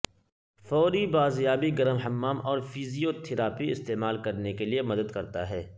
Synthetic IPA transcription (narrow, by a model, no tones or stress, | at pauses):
fɔːɾibaːzjaːbiɡɐɾəmɦɐmːaːmɔːɾfʰiːzijot̪ʰɪɾaːpiɪst̪eːmaːlkɐɾnekeliemɐd̪əd̪kɐɾt̪a̰ɦɛː